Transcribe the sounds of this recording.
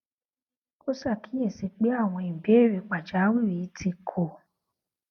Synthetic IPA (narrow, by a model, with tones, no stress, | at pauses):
o˦sa˦˨kĩ˨˦ɛ̃˦˨si˧k͡pe˦a˦˨w̃ɔ̃˧i˨m̩˨be˨˦˨ɾe˨k͡pa˨d͡ʒa˨˦wĩ˦˨ɾi˨˦tʰi˧kʰo˨